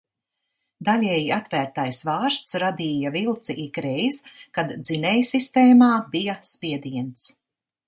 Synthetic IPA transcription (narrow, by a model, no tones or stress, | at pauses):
d̪alʲɛːjiat̪væːɾt̪ajsvaːɾst̪sɾad̪iːjavilˠt̪siʔikɾɛjskad̪zinɛjsist̪ɛːmaːbijaspiɛd̪iɛnt̪s